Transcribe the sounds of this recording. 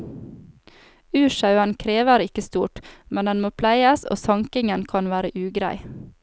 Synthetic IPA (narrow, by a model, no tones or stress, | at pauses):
ʉːʃɑʉənkʰɾeːʋəɾɪkəst̪uːʈmɛnd̪ɛnmoːpʰlæɪəso̰ːsɑŋkɪŋənkʰɑnʋæːɾəʔʉːɡɾæ̰ɪ